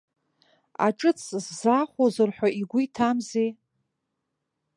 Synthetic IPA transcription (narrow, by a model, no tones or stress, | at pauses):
a̰ʈ͡ʂʼɨt͡sʰzːaχʷozɨrħʷᶣaʔiɡʷʊitʰamze